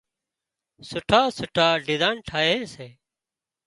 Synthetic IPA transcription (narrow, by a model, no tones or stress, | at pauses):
sʊʈʰaːsʊʈʰaːɖɪzaːnʈʰaːjẽːseː